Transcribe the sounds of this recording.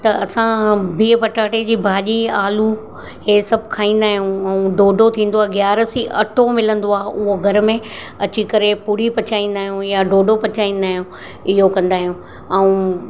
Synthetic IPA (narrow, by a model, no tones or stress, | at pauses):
t̪ɐɐsãbiːpɐʈaːʈed͡ʑiːbʱaːʄiaːlu | ɦeːsɐbʱkʰaːɦĩːn̆d̪aːɦijũɐũɖoːɖʱot̪ʰĩːn̆d̪oaːɦeɡjaːɾəsiʔɐ̰ʈʰomɪlə̃nd̪oaːʊɦoɡʱɐɾmẽ | ɐt͡ɕikɐɾepuːɾipɐt͡ɕʰaːĩːn̆d̪aːɦijũjaɖoːɖʱopɐt͡ɕaːĩːn̆d̪aːɦijũ | ɪɦokɐ̃nd̪aːɦijũ | ɛũ